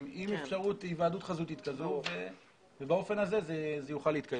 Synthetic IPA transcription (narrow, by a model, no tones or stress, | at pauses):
imefʃaʁut̪ivaːdut̪χazut̪it̪kazuve | vebao̞fe̞naze̞zezejuχaliːt̪̚kaj